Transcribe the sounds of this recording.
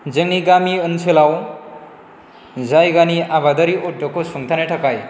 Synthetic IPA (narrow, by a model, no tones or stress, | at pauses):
zɯŋniɡamiɯnsʰelaw | zajɡaniabad̪aɾiʔɔdːɔkʰɔsuŋt̪ʰanetʰakaj